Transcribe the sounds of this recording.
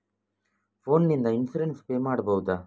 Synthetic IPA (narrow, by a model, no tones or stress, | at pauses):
pʰo̞ːnːind̪ɐinsuɾenspeːmaːɽɐbɐʋud̪a